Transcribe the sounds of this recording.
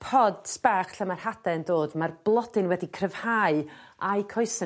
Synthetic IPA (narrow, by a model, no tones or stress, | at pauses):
pʰɔd̥spaχɬəmarhad̥ɛndoːdmarblˠɔd̥ɪnwɛdikʰrəv̥haɨ | ajkʰɔɨsə